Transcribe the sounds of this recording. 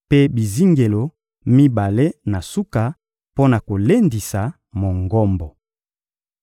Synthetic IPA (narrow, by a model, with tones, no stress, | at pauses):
pe˦bi˨zi˦ŋɡe˨lo˨ | mi˦ba˨le˦na˨su˦ka˨ | po˦na˨ko˨le˦ndi˨sa˨ | mo˨ŋɡɔ˦mbɔ˨